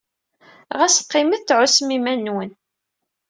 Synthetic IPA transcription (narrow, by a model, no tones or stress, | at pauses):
ʁæsqːɪməθθʕʊsmimænːwən